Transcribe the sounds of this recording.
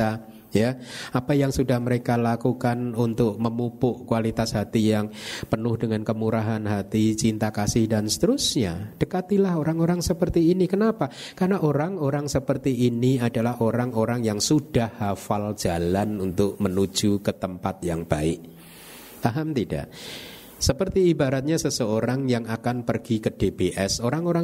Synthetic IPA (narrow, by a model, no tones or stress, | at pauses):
a | jaapajaŋsudahməɾekalakukanunt̪ʊk̚məmupʊʔkualit̪asɦat̪ijaŋpənʊhdəŋankəmuɾaɦanɦat̪it͡ʃint̪akasɪhdansə̥t̪əɾusɲad̥əkat̪ilaɦoɾaŋoɾaŋsəpərt̪iːnikənapa | karənaʔoɾaŋoɾaŋsəpərt̪iːniadalahoɾaŋoɾaŋjaŋsud̥ahːafal̥d͡ʒ̥alanunt̪ʊk̚mənu̥d͡ʒ̥ukət̪əmpat̪̚jaŋb̥aɪʔ | t̪aɦamt̪ida̰ʔ | səpərt̪iːbaɾat̪̚ɲasəsəoɾaŋjaŋakanpərɡ̥ikəd̥ebeʔɛsoɾaŋoɾa